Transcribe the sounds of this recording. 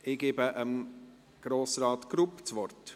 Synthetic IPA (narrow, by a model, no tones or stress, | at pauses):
ɪɡ̥eːbəʔəm | ɡ̥ɾoːsɾɑːt̪ɡ̥ɾupt͡sʋɔrt